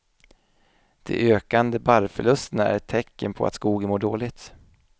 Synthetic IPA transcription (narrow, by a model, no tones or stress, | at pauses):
d̪̥ɛ̰ʔøːkand̪əbaɾfœɭɵst̪ənaæ̰ɾt̪ʰːɛkːənpʰɔ̰a̰t̪skuːɡənmoːɖoːlɪt̪